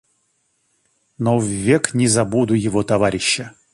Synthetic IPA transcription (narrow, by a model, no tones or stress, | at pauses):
novvːʲeknʲɪzɐbud̪ʊjɪvot̪ɐvaɾʲɪɕːə